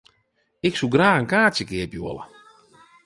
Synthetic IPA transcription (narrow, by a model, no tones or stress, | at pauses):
ɪksuɡraːɣənkaːtjəkɪəpjoələ̰